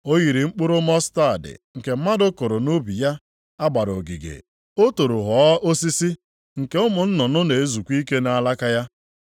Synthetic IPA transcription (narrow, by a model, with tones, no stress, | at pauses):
o˦ɣi˨ɾi˨ŋ͡m̩˦k͡pʊ˦ɾʊ˦mɔ˦sta˦˨dɪ̰˨ŋ̩˨ke˨m̩˦ma˦dʊ˦ko˨ɾʊ˨no˦bi˨ja˦ | a˦ɡ͡ba˨ɾo̰˨ɡḭ˨ɡḛ˨ | o˦to˨ɾo˨ɦɔ˨˦ʔo˦si˦si˦ | ŋ̩˨ke˦ʊ˦mʊ˨n̩˦nɔ˨nʊ˦ne˨e˦zu˨kʷi˦ke˦na˦a˦la˦ka˦ja˦